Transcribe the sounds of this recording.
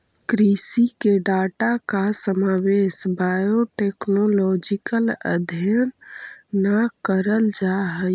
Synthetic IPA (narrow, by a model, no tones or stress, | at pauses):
kɾisikeɖaʈakasəmawesbajoʈeknolɔd͡ʒikələ̰d̪ʱjənː | akəɾəld͡ʒaɦə